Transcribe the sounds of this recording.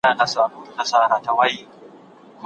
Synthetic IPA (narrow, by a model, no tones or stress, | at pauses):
aːnasaːnuːnasaːɾaːtawaji | m